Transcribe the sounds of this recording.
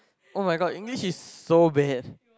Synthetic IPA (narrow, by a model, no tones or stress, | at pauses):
ʔomaɪjɡɔdĩŋɡliʃizsobɛd̥